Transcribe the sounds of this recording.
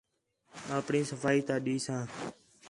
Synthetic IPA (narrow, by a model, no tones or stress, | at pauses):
aːpɳĩːsəfaːiːt̪ãːɗiːsãː